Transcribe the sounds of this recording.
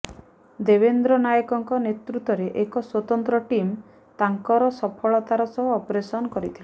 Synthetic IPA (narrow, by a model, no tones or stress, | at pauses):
d̪ebend̪ɾɔnajɔkɔŋkɔnet̪ɾut̪ɔɾeʔekɔswɔt̪ɔnt̪ɾɔʈim | t̪aŋkɔɾɔsɔpʰɔɭɔt̪aɾɔsɔɦɔːpɾesɔnɔkɔɾit̪ʰile